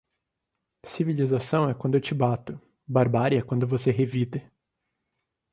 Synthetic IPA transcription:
sivilizasɐ̃w̃ɛkwɐ̃nd̪ʊewt͡ʃɪbat̪ʊ | baɾbaɾiɛkwɐ̃nd̪ʊvoseɦevid̪ɪ

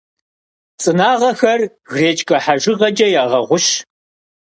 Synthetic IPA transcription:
t͡sʼɨnaːʁɐxɐr | ɣreːt͡ʃʼkʼɐħaʒɪʁɐd͡ʒʼɐjaːʁɐʁʷʊʃ

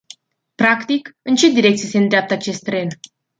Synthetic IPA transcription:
pɾakt̪ikɨnt͡ʃe̞d̪iɾe̞k̚t̪sijesend̪ɾeap̚t̪əat͡ʃe̞st̪ːɾe̞n

